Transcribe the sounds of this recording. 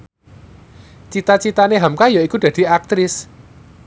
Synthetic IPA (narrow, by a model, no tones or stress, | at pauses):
t͡ʃit̪at͡ʃit̪aneɦamkajɔikud̪̥ä̤d̪̥i̤ak̚t̪ɾɪs